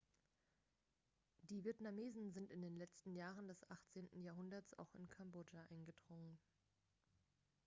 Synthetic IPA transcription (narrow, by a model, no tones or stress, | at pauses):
d̥iːvieɐtnameːzn̩zɪntɪndeːnlɛt͡stn̩jaːʁəndɛsʔaχt͡seːntn̩jaːɐɦʊndɐtt͡sa̰ʊxɪ̰nkʰamboːd͡ʒaʔaɪnɡədʁʊŋən